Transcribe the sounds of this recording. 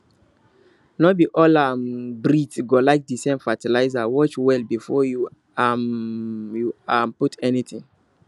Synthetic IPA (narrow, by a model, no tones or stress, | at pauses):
nɔbiʔɔlambɹitɡolaɪk̚disẽmfatilaɪzawɔt͡ʃwɛlbifɔju | am | juamputʰɛnitĩŋ